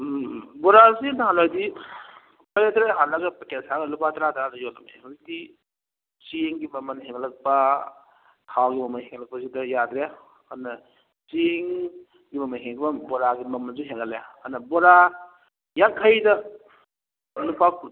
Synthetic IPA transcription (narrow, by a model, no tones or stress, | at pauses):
bɔɾazinaanlajdi | pajetɾeɦanlɐɡɐpkesaɡɐlupatɾatɾanɐjolɐmeudi | t͡ʃeŋɡimɐmɐnɦeŋlɐk̚pɐ | kʰawɡimɐmɐnheŋlɐk̚pɐsidɐjad̪ɾe | ɐnɐ | t͡ʃeŋ | ɡimɐmɐnɦeŋbɐbɔɾaɡimɐmɐnzuɦeŋɐleɐnɐbɔɾa | jakʰːajdɐ | nupak